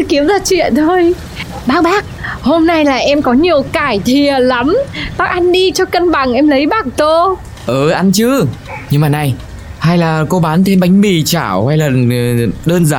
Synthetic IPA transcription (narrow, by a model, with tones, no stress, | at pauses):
ki˨˦əmzaː˧˩t͡ɕwḭ˧˨ənt̪ʰo˧j | ɓaː˦˥k̚ɓaː˦˥k̚ho˧mna˧jlaː˨˩ʔɛ˧mkɔ˨˦ɲi˨˩əwkaː˧˩jt̪ʰi˨˩ə˩la˨˦mɓaː˦˥k̚ʔa˧nɗi˧t͡ɕɔ˧kə˧nɓa˨˧˩ŋʔɛ˧mlə˨˦jɓa˧˩ŋt̪o˧ | ʔəː˨˩ʔa˧nt͡ɕɨ˨˦ | ɲɨ˧ŋmaː˨˩na˨˩j | ha˧jlaː˨˩ko˧ɓaː˨˦nt̪ʰe˧nɓa˨˦ŋ̟mi˨˩t͡ɕaː˧˩wha˧jlaː˨˩ɗəː˧nzaː˧˩